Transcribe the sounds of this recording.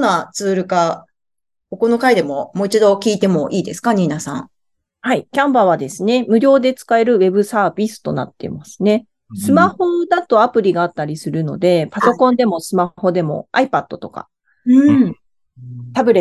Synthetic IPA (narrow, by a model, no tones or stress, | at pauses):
nːat͡sɨːɾɯ̟ka | ko̞ko̞no̞kaid̪e̞mo̞mo̞ːit͡ɕid̪o̞kʲiːt̪e̞mo̞ʔiːd̪esɨ̥kaɲ̟ʲiːnasã̰ŋ | haikʲãmbaβ̞ad̪e̞sɨne̞mɯ̟ɾʲo̞ːd̪e̞t͡sɨ̥kae̞ɾɯ̟βe̞bɯ̟saːbʲisɨ̥t̪o̞na̰t̪ːe̞̰masɨ̥ne̞ | sɨmaho̞d̪at̪o̞apɯ̟ɾʲiɡaːt̪ːaɾʲisɨɾɯ̟no̞̰d̪e̞paso̞kõnd̪e̞mo̞sɨmaho̞d̪e̞mo̞̰aipat̪ːo̞t̪o̞ka̰ | ɯ̃ | t̪abɯ̟ɾe